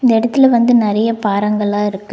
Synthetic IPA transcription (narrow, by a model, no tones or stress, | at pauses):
ɪnd̪ɐɪɽɐt̪ːɪlɛʋɐnd̪ɯnɪɾɐjɐpaːɾɐŋɡɐɭaːɪɾɯkːɯ